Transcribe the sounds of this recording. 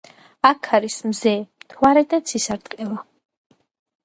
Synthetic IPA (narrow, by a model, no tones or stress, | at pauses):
akʰaɾismzɛmt̪ʰwaɾɛd̪at̪sʰisaɾt̪ʼqʼɛla